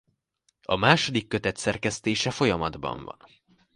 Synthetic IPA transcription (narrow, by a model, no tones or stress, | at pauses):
ɒmaːʃo̞d̪ikːø̞t̪ɛt̪sɛrkɛst̪eːʃɛfo̞jɒmɒd̪bɒ̰ɱvɒ̰n